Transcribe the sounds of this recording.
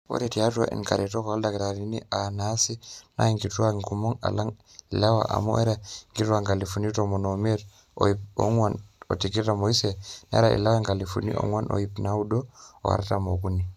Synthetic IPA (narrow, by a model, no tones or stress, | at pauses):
o̰ɾɛtiatua̰ʔḭnkaɾɛtɔkaldakɛtaɾinḭanasina̰iŋɡituwaŋkumɔŋa̰laŋ | ilawa̰ʔa̰mṵʔɛɾaŋɡituwaŋɡalifunitɔmɔnomɛɾ̰ | ŋano̰tikiɾamoisɛnɛ̰ɾaʔḭlawaŋɡalifṵnḭɔ̰ŋwanʔo̰jipnaudɔɔ̰wa̰ɾtamokuni